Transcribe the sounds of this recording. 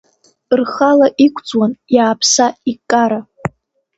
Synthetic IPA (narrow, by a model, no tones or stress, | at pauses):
rχalaʔikʷʰʼd͡zwanjaːpʰsaikʼaɾa